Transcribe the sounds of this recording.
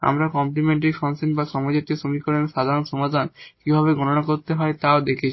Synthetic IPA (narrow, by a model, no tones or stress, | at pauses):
a̰mɾakɔmplimeɳʈaɾifɔnsinbaʃɔmad͡ʑat̪iʃomikoɾenʃad̪ʱaɾonʃomad̪ʱankibʱaβeɡɔnonakoɾt̪eɦɔet̪aod̪ekʰet͡ɕʰ